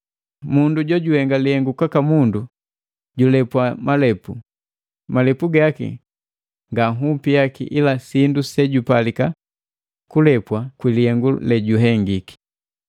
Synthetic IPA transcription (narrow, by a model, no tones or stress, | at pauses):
munduɟwɔɟuhɛŋɡalihɛŋɡukakamundu | ɟulɛpwamalɛpu | malɛpuɡakḭ | ŋɡaɦupijakḭʔilasindusɛɟupalika | kulɛpwakwilihɛŋɡulɛɟuɦɛŋɡiki̥